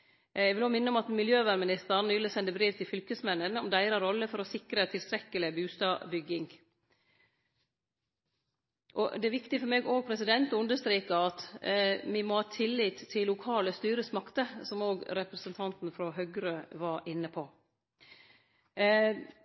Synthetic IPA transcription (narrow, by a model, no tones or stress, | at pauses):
ɛʋɪloːmɪnːəɔmɑt̪mɪljøːʋæɾmɪnɪst̪əɾnyːləsɛnd̪əbɾiːʋt̪ʰɪlfʏlkəsmɛnːənɔmd̪æɪɾɑɾɔlːəfɔɾɔsɪkɾət̪ʰɪlst̪ɾɛkːəlɪbʉːst̪ɑːbʏɡɪŋ | ʔɔ̰d̪ɛæɾʋɪkt̪ɪfɔɾmeːɡoːɡ̚pʰɾɛsɪd̪ɛnt̪ɔʉnd̪əʂst̪ɾiːkəɑt̪mɪmɔhɑːt̪ʰɪlːiːt̪ʰːɪlːʊkʰɑːləst̪yːɾəsmɑkt̪əsɔmoːɡɾɛpɾɛsənt̪ʰɑnt̪n̩fɾɔɦœɡɾøːʋɑɾɪnːəpʰɔ